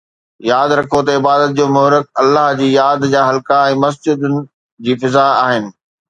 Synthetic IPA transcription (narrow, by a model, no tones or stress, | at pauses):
jaːd̪ɾɐkʰot̪ɐɪbaːd̪ət̪̚d͡ʑoːmʊɦɾɪk̚ɐlːaːɦd͡ʑiːjaːd̪d͡ʑaːɦɐlkãɛ̃ːmɐs̬d͡ʑɪd̪ʊnɪ̆ | d͡ʑiːfɪzaaːɦɪnɪ̆